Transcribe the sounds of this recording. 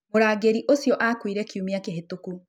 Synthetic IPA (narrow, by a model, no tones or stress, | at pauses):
moɾaːɡeɾiʔosjɔʔakwiɾɛkiumiakeɦetoku